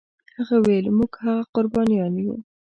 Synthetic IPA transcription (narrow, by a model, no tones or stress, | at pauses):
haɣawelmuɡhaɣaqʊɾbɑnijɑnjṵ